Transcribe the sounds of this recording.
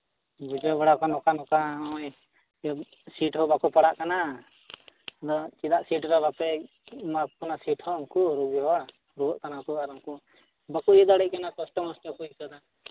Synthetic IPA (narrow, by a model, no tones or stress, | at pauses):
bud͡ʒɔbaɽakanɔkanɔkaɔj | siʈɦɔbakupaɽaʔkana | d̪ɔt͡ʃid̪aʔsiʈɾɔbapɛ | makɔnasiʈhɔɔŋkuɾubiɦɔa | ɾuɔʔt̪anakuaɾɔŋku | bakujɛd̪aɽɛc̚kanakɔsʈɔmɔsʈɔkujkɔd̪a